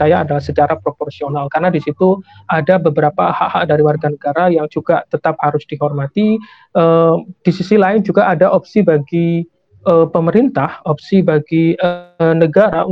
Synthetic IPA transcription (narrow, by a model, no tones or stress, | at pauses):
ajaːdalahsət͡ʃaɾapɾopɔrsionalkarənadisit̪uʔadabəbəɾapahaʔhaʔ̚daɾiwarɡanəɡaɾajaŋd͡ʒuɡat̪ət̪aphaɾʊsd̥iɦɔrmat̪i | ʔəd̥isisilaɪnd͡ʒuɡaʔadaʔɔpsibaɡi | ʔəpəməɾint̪ahɔp̚sibaɡiənəɡaɾa